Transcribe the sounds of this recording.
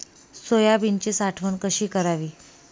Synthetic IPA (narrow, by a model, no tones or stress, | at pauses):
sojabint͡ɕesaʈʰʋənkəɕiːkəɾaʋiː